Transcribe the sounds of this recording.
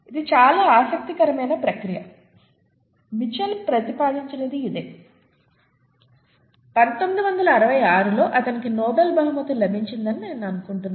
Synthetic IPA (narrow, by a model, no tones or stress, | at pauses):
id̪it͡ʃaːlaːaːsɐk̚t̪ikɐɾɐmɐjnɐpɾɐkɾijɐ̰ | mit͡ʃɐlpɾɐt̪ipaːd̪iɲt͡ʃineːd̪iːd̪e̞̰ː | pɐnt̪omid̪iʋɐnd̪ɐlɐːɾɐʋɐjaːɾulo̞ːʔɐt̪ɐnikinɔːbelbɐɦumɐt̪ulɐbʱiɲt͡ʃind̪ɐnineːnuɐnukuɳʈunːa